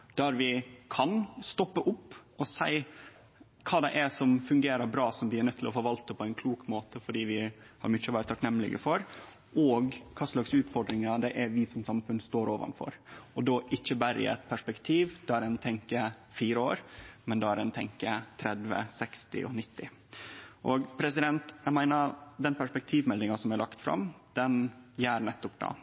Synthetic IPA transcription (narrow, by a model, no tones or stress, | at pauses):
d̪̥æɾʋɪkʰɑnst̪ɔpːəʔʊpːɔsæɪ | kʰɑːd̪ɛʔɛsɔmfʉŋɡeːɾəɾbɾɑːsɔmbɪːnœt̪ʰːɪlɔfɔːɾʋɑlt̪əpʰɔæɪnkʰluːkmoːt̪əfɔɖiːʋɪ | hɑ̰ɾmʏt͡ʃːəɔʋæːɾət̪ʰɑknɛmːlɪ̰ɡə̰fɔɾ | ɔɡkʰɑːslɑksʉːt̪fɔɖɾɪŋɑd̪ɛʔæɾʋɪsɔmsɑmfʉnːst̪oːɾoːʋɑ̰nfɔ̰ɾɔd̪oːʔɪçːəbæɾɪ̰ɛ̰t̪pʰæʂpɛkt̪ʰiːʋd̪̥ɑːæɾɛnt̪ʰɛŋkə | fiːɾəo̰ːɾmɛnd̪ɑæɾɛnt̪ʰɛŋkət̪ʰɾɛd̪ʋə̰sɛkst̪ɪ̰ʔɔ̰nɪt̪ːɪ | ʔɔɡpʰɾɛsɪd̪ɛnt̪æmæɪnəɾd̪ɛnpʰæʂpɛk̚t̪ʰiːʋmɛlːɪŋɑsɔmæɾlɑkt̪fɾɑ̰md̪̥ɛnjæːɾnɛt̪ːɔpd̪ɑ̰ː